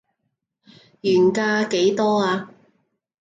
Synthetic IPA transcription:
jyː˨˩nkaː˧ke˨˥jt̪ɔː˥aː˧

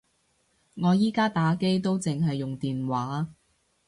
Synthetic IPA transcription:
ŋɔː˨˧jiː˥kaː˥t̪aː˨˥ke˥jt̪o˥wt͡sɪ˨ŋɦɐ˨jːʊ˨ŋt̪iː˨nwaː˨˧˥

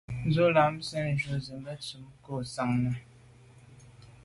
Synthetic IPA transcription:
n˦zo˦la˨˦msɛ˦˨n˨d͡ʒu˨˦zi˨mbə˦t͡su˨˦mko˦˨sa˨ŋnə˨

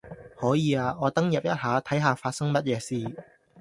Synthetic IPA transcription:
hɔː˨˥jiː˨˧aː˧ŋɔː˨˧t̪ɐ˥ŋjɐ˨p̚jɐ˥t̚haː˨˧t̪ʰɐ˨˥jɦaː˨˧faː˧t̚sɐ˥ŋmɐ˥t̚jɛː˨˧siː˧˩

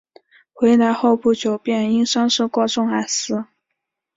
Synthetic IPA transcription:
xwe˧˥ɪt̪a˧˥ɪxo˥˧ʊpu˥˩t͡ɕjo˨˩ʊpjɛ˥˩ni˥ŋʂɑ˥ŋʂ̩˥˧kwɔ˥ʈ͡ʂʊ˥˩ŋa˨˩sɹ̩˥˩

